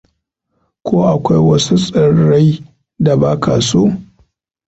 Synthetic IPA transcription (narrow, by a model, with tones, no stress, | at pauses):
kʰʷoː˦ʔa˨kʷa˦jwɐ˦su˦sʼɐ˨ɽa˦j | da˨baː˦kʰaː˨soː˦